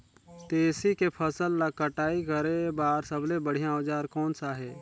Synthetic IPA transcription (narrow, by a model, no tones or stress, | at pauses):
t̪eːsikepʰəsəlːakəʈaːikəɾebaːɾsəblebəɽ̤ijãoːd͡ʒaːɾkɔːnsaɦɛː